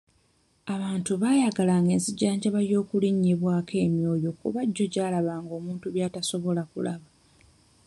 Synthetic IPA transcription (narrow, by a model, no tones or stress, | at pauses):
aβaːntuβaːjaɡalaːŋɡe̞ːnsiɟaːɲɟaβaljo̞ːkuliɲːiβwaːke̞ːmjo̞ːjo̞kṵβaɟːo̞ɟaːlaβaːŋɡo̞ːmuːntuβjaːtaso̞βo̞lakṵlaβa